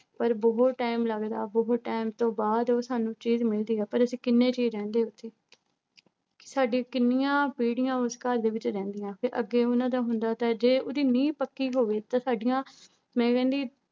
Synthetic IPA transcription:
pəɾboːʈaːɪmləɡd̪a̰ːboːʈaːɪmt̪õːbaːd̪oːsaːnũːt͡ʃiːzmɪld̪iːɛːpəɾəsĩːkɪnːẽːt͡ʃiːzɾɛ̃ːnd̪eːʊt̪ʰːeː | kɪ̥saːɖiãkɪnːɪjãːpiːɽɪjãːʊskəɾd̪eːʋɪt͡ʃɾɛ̃ːnd̪ɪjãːpʰɪɾʔə̰ɡːeːʊnãːd̪aːɦʊnd̪aːt̪ãːd͡ʒeːʔʊd̪iːnĩːpəkːiːɦoːʋeːt̪ãːsaːɖɪjãː | mɛ̃ːkɛ̃ːnd̪iː

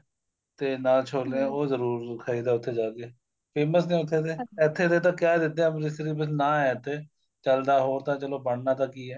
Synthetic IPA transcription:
t̪eːnaːlt͡ʃʰoːlẽoːzəɾuːɾkʰəiːd̪aːʊt̪ʰːeːd͡ʒaːkeː | pʰeːməsnẽːʊt̪ʰːeːt̪eːɛt̪ʰːeːd̪eːt̪̬ãːkjaːd̪ɪt̪̚ːẽbɾɪsɾiːbəs̬nãːɛːt̪ːeː | t͡ʃəld̪aːɦoːɾt̪ãːt͡ʃəloːbəɳnãːt̪̬ãːkiːɛː

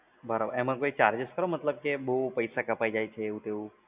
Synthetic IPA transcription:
bəɾabə̰ɾɛmə̃koit͡ʃaɾd͡ʒɪskəɾomət̪ləb̚kebəupəjsakəpaid͡ʒajt͡ʃʰeːʋũt̪eũ

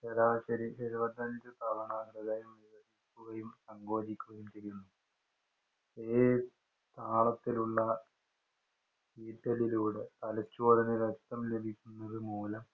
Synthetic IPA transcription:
sɐɾaːɕɐɾiɕɐɾuʋɐd̪ʱːɐnd͡ʑɨt̪aʋɐɳaːɡɾɐðɐjumʋiʋɐsikʲːuɣɐjumsɐŋɡo̞ːd͡ʑikʲːuɣɐjumt͡ɕeɾjunːu | eː | t̪ʰaːɭɐt̪ːiluɭːɐ | iːtːɐliluːɽet̪ɐlɐt͡ɕːuɐɾɐnɨʋek̚t̪ːɐmlebʱikʲːunːɐðɨmuːlɐm

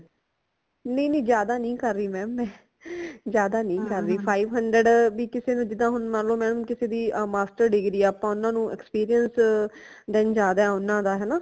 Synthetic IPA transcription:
nəĩnə̃ːd͡ʒjaːd̪aːnĩːkəɾːiːmɛ̃ːmːɛ̃ː | zjaːd̪aːnəĩːkəɾːiːpʰaːiːʋɦəɳɖɾəɖʋiːkɪseːnũːd͡ʒɪd̪ãːɦʊnmãːnlõːmɛ̃ːnə̃kɪseːd̪iːmaːsʈəɾɖɪɡɾiːɛːəpãːʊnːãːnũːɛkspiːɾijəns | d̪ɛːnd͡ʒaːd̪aɛːʊnːãːd̪aːɦɛːnaː

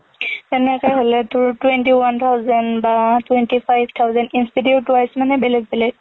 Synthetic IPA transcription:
tɛnɛkɔjɦolɛtʊɹtwɛntiwant̪ʰawzɛndbatwɛntipʰajbʱt̪ʰawzɛntinstidiutːuajsɛmanɛbɛlɛɡ̚bɛlɛɡ̚

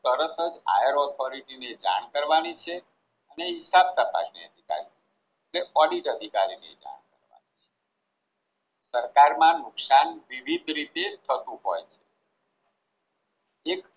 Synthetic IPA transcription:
t̪əɾət̪ʰəd͡ʒa̰jəɾɔt̪ʰoɾiʈined͡ʒa̰ɳ̃kəɾʋanit͡ʃʰe | əneɦisab̚t̪apa̰ʃniəd̪ʱika̰ɾi | eʈleɔɖiʈəd̪ʱikaɾinḛd͡ʒa̰ɳ̃kəɾʋa̰nit͡ʃʰe̥ | səɾkaɾmãnʊksanʋiʋid̪ʱɾit̪et̪ʰət̪ũɦojt͡ʃʰe | ek

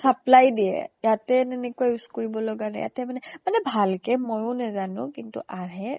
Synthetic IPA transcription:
saplajdiɛ̰jatɛtɛnekuajuskuɹibɔlɔɡana̰ja̰tɛmanɛmanɛbʱalkɛmojʊ̃nazanʊ̰̃kintṵʔaɹɦɛ

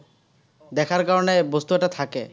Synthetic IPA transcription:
d̪ɛkʰaɾkaɾonebost̪uɛʈat̪ʰakḛ

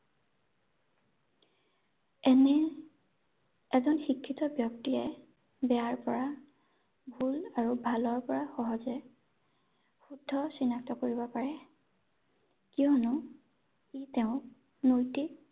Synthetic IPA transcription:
ɛnɛ | ɛzɔnxikʰːitɔbjɔk̚tiɛ | bɛaɹpɔɹa | bʱulaɹubʱalɔɹpɔɹaxɔɦɔzɛ | xudʱːɔsinak̚tɔkoɹibɔpaɹɛ | kijɔnʊ | itɛʊ̃ | nojti

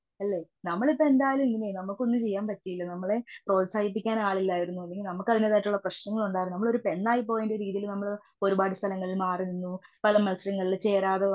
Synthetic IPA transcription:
ɐlːe̞ː | nɐmːɐɭipːoend̪aːjɐlumiŋːɐnenɐmːukːo̞nːɨt͡ɕe̞jːaːnpɐtːijilːɐnɐmːɐɭe̞pro̞ːlsaːɡip̬ːikʲːaːnaːɭilːaːjiɾunːuɐlːeɡilnɐmːukːɐðineðaːjiʈːuɭːɐprɐɕnɐŋːɐɭuɳɖaːjɾnɐmːɐɭo̞ɾupenːaːjip̬ːo̞ːjundeɾiːðijilumnɐmːɐɭ | o̞ɾubaːɽist̪ʰɐlɐŋːɐɭilmaːrininːupɐlɐmɐlsɐɾɐŋːɐɭilt͡ɕe̞ːɾaːðe

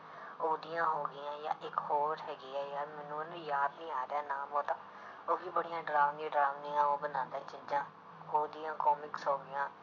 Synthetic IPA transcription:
oːd̪ɪjãːɦoːɡɪjãːjã̰ːʔɪkhoːɾɾɦɛːɡiːɛːjaːɾmɛːnũːnijaːd̪nĩːaːɾɛːnaːmɦoːt̪ãː | oːbiːbəɽɪjãːɖɾaːʋnĩːɖɾaːʋniːãːoːbənãːnd̪eːt͡ʃɪd͡ʒãː | oːd̪ɪjãːkɔːmɪksoːbɪjãː

